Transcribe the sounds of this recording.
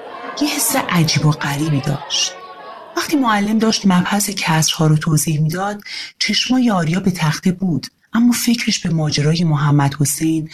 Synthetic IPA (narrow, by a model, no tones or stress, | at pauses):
jehesːe̞ʔæd͡ʒiːboɢæɾiːbiːd̪ɒːʃt̪ | væχt̪ʰiːmoælːe̞md̪ɒːʃt̪mæbhæse̞cʰæsɾhɒːɾot̪ʰoːziːhmiːd̪ɒːd̪̥t͡ʃʰe̞ʃmɒːjeɒːɾijɒːbe̞t̪ʰæxt̪ʰebuːd̪̥ | ʔæmːɒːfe̞cʰɾe̞ʃb̥e̞mɒːd͡ʒeɾɒːje̞moɦæmːæd̪̥ho̞sejn